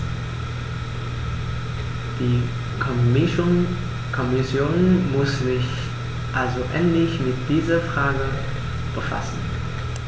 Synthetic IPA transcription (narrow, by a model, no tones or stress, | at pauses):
d̥iː | kʰɔmɪʃn | kʰɔmɪsjoːnmʊszɪç | ʔalzoʔɛ̰ntlɪçmɪt̚d̥iːzɐfʁ̥aːɡə | b̥əfa̰sn̩